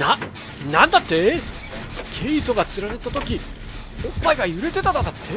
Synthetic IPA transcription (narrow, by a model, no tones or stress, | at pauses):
na | nãnd̪at̪ːe̞ | kʰeit̪o̞ɡat͡sɨɾanet̪ːat̪o̞kʲi | õpːaiɡajɯ̟ɾet̪e̞t̪ad̪ad̪at̪ʰːe